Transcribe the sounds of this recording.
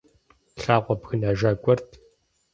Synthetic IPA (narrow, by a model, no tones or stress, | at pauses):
ɬaːʁʷɔpxɨnaːʒaːɡʷʼɔrtʰ